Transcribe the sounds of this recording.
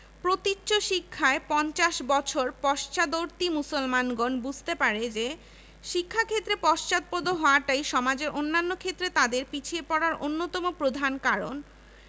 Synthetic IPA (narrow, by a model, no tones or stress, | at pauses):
pɾot̪it͡ɕːɕoʃikʰːaepɔnt͡ɕaʃbɔt͡ɕʰoɾpɔʃt͡ɕad̪oɾt̪imusolmanɡonbud͡ʑʱt̪epaɾed͡ʑe | ʃikʰːakʰet̪ːɾepɔʃt͡ɕat̪̚pod̪ʱoɦɔoaʈajʃɔmad͡ʑeɾʔonːanːokʰet̪ːɾet̪ad̪eɾpit͡ɕʰiepɔɽaɾonːot̪ɔmopɾod̪ʱankaɾo̰n